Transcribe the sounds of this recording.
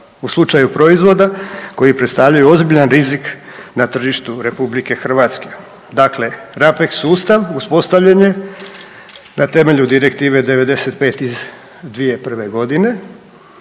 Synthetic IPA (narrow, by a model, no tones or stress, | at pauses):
uslˠut͡ʃajupɾo̞izʋo̞d̪ako̞jipɾet̪st̪aʋʎajuo̞zbiʎanɾiziknat̪r̩ʒiʃt̪uɾe̞publike̞xr̩ʋat̪ske̞̥ | d̪akle̞ɾapeksuːst̪aʋuspo̞st̪aʋʎaɲe̞ | nat̪e̞me̞ʎud̪iɾe̞kt̪iːʋe̞d̪eʋe̞d̪e̞se̞t̪pe̞ːt̪iz | d̪ʋije̞pr̩ʋe̞ɡo̞d̪ine̞